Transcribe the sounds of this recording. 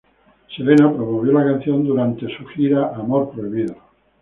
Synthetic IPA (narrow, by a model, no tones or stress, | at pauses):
seβenapɾomoβ̞jolakan̟θjo̞nd̪uɾant̪e̞suxiɾaʔamoɾpɾoiβiðo